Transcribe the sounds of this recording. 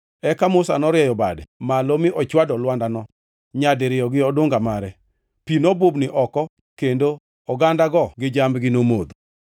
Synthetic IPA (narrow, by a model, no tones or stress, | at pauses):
ɛkamʊsanɔɾjɛjɔbadɛmalomɪʔɔt͡ʃwadɔlwandanɔ | ɲadɪɾɪjɔɡɪɔdʊŋɡamaɾɛ | pinobʊbnɪʔɔkɔ | kendo | ɔɡandaɡɔɡɪd͡ʒambɡɪnomod̪